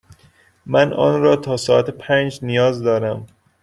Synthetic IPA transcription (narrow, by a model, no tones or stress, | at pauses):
mænɒ̰ːnɾɒːt̪ʰɒːsɒːæt̪ʰepʰænd͡ʒnijɒːzd̪ɒːɾæm